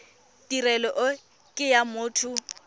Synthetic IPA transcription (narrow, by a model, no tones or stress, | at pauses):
tʼirɛlɔʔʊ | kʼɪjamʊːtʰʊ